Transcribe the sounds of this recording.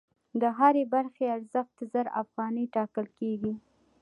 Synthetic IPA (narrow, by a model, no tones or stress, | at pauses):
d̪əɦaɾebaɾxeaɾzəxt̪əzəɾa̰fɣɑnəʈɑkəlkeɡi